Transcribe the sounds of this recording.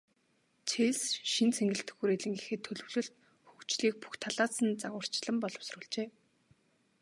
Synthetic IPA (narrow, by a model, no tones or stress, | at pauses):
t͡ɕʰeːsʃint͡sʰeŋɡɘ̆ɬt̪ɘ̆xɡuːɾeɮɘ̆ŋɡixeːt̪ʰːɵɮɵ̆wɮɵ̆ɬt̪̚ | xukt͡ɕɮiːk̚pu̥xt̪ʰaɮaːsə̆nt͡saʁə̆r̥t͡ɕɪɮə̆mpɔɮɞ̆wsrʊːɮt͡ɕeː